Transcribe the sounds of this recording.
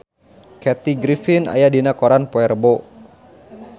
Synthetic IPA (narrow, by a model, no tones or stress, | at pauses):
kɛt̪iɡɾifina̰jadinakɔɾanpɔɛrbo